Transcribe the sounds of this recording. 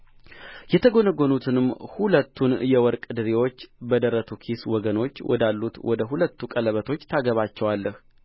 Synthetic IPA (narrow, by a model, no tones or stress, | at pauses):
jɛt̪ʰəɡo̞nəɡonut̪ʰɨnɨmhulət̪ʰːunjɛwɔɾkʼɨd̪ɨɾewo̞t͡ʃːbəd̪əɾət̪ʰukʰiswɔɡəno̞t͡ʃːwɔ̰d̪alːut̪wɔ̰d̪əɦulət̪ːukʼələβət̪ʰo̞t͡ʃːt̪ʰaɡəβat͡ʃːɛwalːəh